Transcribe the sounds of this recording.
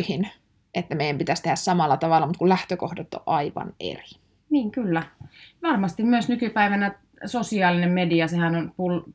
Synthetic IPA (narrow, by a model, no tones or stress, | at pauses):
hin | et̪ːæmeijæmpit̪æst̪ehæssɑmɑlːˑɑt̪ɑʋɑlːˑɑmut̪kullæht̪økohdɑt̪ːo̰ʔʔɑiʋɑ̰nḛri̥ | niːŋkylːæʋɑrmɑst̪immyøsnykypæiʋænæ | sosiɑːlinemmediɑsehænonpul